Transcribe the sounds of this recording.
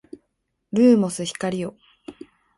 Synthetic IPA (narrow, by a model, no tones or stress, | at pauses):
ɾɯːmo̞sɨçi̥kaɾʲijo